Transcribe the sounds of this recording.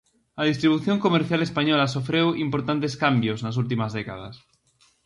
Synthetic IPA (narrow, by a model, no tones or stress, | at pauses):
að̞ist̪ɾiβ̞uθjoŋkomeɾθjalespaɲolas̬ofɾewimpoɾt̪ant̪eskambjosnasult̪̬imazðeka̰ð̞a̰s